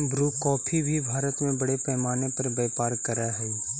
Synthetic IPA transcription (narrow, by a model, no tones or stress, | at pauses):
bɾuːkɔːpʰibʱibʱaːɾət̪mẽbɐɽepɛːmaːnepɐɾbɛːpaːɾkɐɾaɦɛ